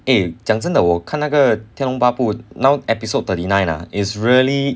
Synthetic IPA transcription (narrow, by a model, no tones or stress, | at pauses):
ed͡ʒãŋs̬ə̃nd̪əwəkʰãnaɡət̪ʰɛ̃nɔ̃ŋpapunãwɛpisod̚t̪ʰətinãj̃na̰isɹiəli